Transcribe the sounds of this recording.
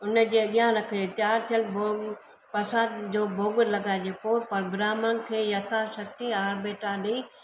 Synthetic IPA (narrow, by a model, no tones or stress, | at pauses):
ʊnd͡ʑeːɓijãɾɐkʰəet̪ɪjaːɾt̪ʰijəlbo | pɐsaːd̪d͡ʑoːbʱoːɡɪɾlɐɡaːɪd͡ʑeːpoːɾpɐɾbɾaːmənɪ̆kʰeːjɐt̪ʰasɐk̚t̪iaːɾbeːʈaɗi